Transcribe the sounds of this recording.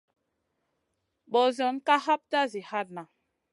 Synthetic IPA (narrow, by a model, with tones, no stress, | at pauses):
ɓɔ˨zɔ˨˦nka˦ha˦p̚ta˦zi˨ha˦t̚na˨